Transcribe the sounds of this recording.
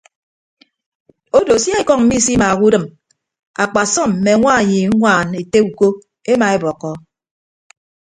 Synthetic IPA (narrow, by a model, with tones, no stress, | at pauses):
o˦do˨sja˦e˦kɔ˦˨ŋm̩˦mi˦si˦ma˨ku˦dɨ˨m | a˨k͡pa˨sɔ˦˨m̩˨me˨ŋʷa˦˨ji˨˦ŋʷaː˦˨ne˨te˦u˨ko˦ | e˦ma˨e˦bɔ˨kːɔ˦